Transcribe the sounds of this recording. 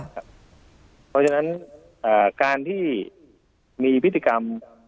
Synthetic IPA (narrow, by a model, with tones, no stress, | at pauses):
kʰa˦˥p̚ | pʰɔː˧t͡ɕʰa˧na˦˥n | ʔaː˨˩kaː˧nt̪ʰiː˥˩ | miː˧pʰi˦t̪ːiː˧ka˧m